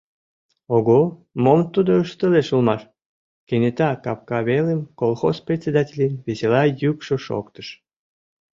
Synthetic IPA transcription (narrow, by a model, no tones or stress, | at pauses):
oɣomomt̪ud̪oəʃt̪əleʃulmɑʃ | kenʲet̪ɑkɑp̚kɑβelemkolˠxosprʲetʲt͡sʲed̪ɑtʲelʲenβeselɑjykʃoʃo̰kt̪ə̥ʃ